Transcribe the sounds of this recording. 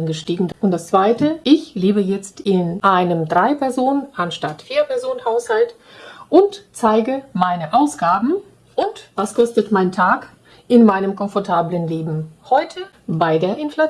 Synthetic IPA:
nɡəʃtiːɡŋ̩ʊntd̥ast͡sv̥aɪtəʔɪçleːbəjɛt͡stɪnʔaɪnəmdʁaɪpʰɛɐzoːnənanʃtatfiːɐpʰɛɐzoːnənhaʊshalt | ʔʊntt͡saɪɡəmaɪnəʔaʊsɡ̥aːbm̩ | ʔʊntvaskʰɔstətmaɪntʰaːk | ʔɪnmaɪnəmkʰɔnfɔɐtʰaːblənleːbm̩hɔʏtʰə | baɪdeːɐʔɪnfla

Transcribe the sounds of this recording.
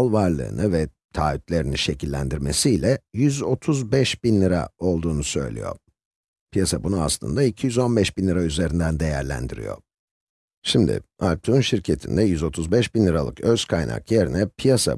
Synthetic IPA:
lˠvaɾlˠɯ̰ːnʔɯvɛt̪ʰaːyt̪lʲe̞ɾiniʃe̞cʰilʲːæ̰nd̪iɾme̞sijlʲɛjyzo̞t̪ʰuzbɛʃbinlʲiɾa̰o̞lˠd̪uːnusø̞̰jlʲḭjo̞̰ɾ | pʰijasabunua̰slˠɯ̰nd̪aicʰijyzo̞nbɛʃbinlʲiɾayze̞ɾind̪ænd̪e̞jæɾlʲæ̰nd̪iɾḭjo̞̰ | ʃimd̪ɪ̰alʲt̪ʰunʃiɾcʰe̞t̪ʰind̪ɛjyzo̞t̪ʰuzbɛʃbinlʲiɾalˠɯkøz̥kʰajna̰kjeɾinɛpʰijasa̰

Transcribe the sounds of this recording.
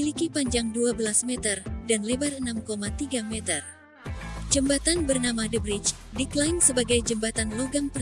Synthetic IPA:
ilikipaɲd͡ʒaŋduabəlasmɛt̪ərdanlebarənamkomat̪iɡamɛt̪ər | d͡ʒəmbat̪anbərnamadəbɾit͡ʃ | diklajnsəbaɡajd͡ʒəmbat̪anloɡaŋpər

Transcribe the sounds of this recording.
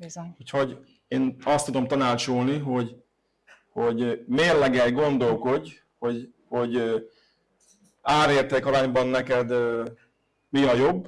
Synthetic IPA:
bizoɲucho̞ɟ | eːnɒst̪ːud̪o̞mt̪ɒnaːt͡ʃolniɦo̞ɟ | ho̞ɟmeːrlɛɡɛlɡo̞nd̪o̞lko̞ɟ | ho̞ɟ | ho̞ɟ | aːɾeːrt̪eːkɒɾaːɲbɒnːɛkɛd̪ø | miɒjo̞bː

